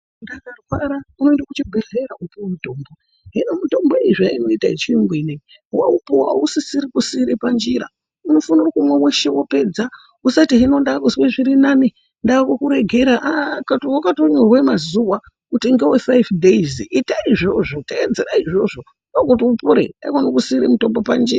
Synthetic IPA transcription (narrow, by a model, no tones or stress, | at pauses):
ndakarwaɾauno̞endakut͡ʃiɡʱeɮeraupuwmuto̞ːmbo̞ | ɦinomuto̞mboeiʐaaino̞itait͡ʃiiŋɡwine | waupuwa̰usisiɾikusiɾepand͡ʒiɾa̰ | uno̞fanirakumweweʃe̞wo̞pe̞d͡za | usatiɦino̞ndakuzweʐiɾinani | ndakokuɾe̞ɡʱeɾaʔakatowakatoɲorwemazuwa | kutiŋɡewefajfdʱeizitaiʐo̞ʐo̞taed͡zeɾaiʐo̞ʐo̞ | noɡutiupuɾḛa̰ikonokusiːɾemuto̞mbo̞pand͡ʒḭra